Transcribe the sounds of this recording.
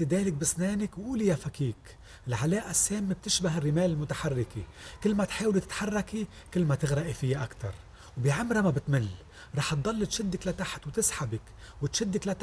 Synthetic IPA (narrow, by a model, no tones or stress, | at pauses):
ɪd̪eːlɪk̚bɪsneːnɪkwʔuːlijafakiːk | ɪlʕaleːʔasːeːmːeb̚t̪ɪʃbaɦɪrːɪmeːlɪlmʊt̪aħarːɪkikɪlːmat̪ħaːwlit̪ɪ̥t̪ħarˤːɑkikɪlːmat̪ɪɣɾɑʔifɪjːaʔakt̪ɑ̰ɾˤ | wbiʕamɾˤamabɪt̪mɪlː | ɾˤɑːħt̪̚d̪ˤɑlːɪt̪ʃɪd̪ːɪklat̪aħt̪wt̪ɪsħabɪk | wɪt̪ʃɪd̪ːɪklat̪